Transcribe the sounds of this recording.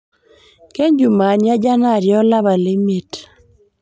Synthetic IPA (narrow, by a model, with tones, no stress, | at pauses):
ke˦ɲd͡ʒu˨ma˨ɲja˦d͡ʒa˦na˦˨ɾjɔ˦la˦ba˨le˦me˨t